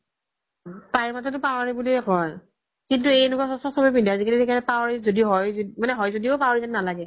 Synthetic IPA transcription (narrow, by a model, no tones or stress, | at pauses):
paiɹmatɛtʊpawaɹibuliɦɔj | kintuejnʊkɔsɔspasɔbɔpindiazikelitɛkaɹɛpawɹizodiɦɔjzmanɛɦɔjzodiopawɹizaninalaɡɛ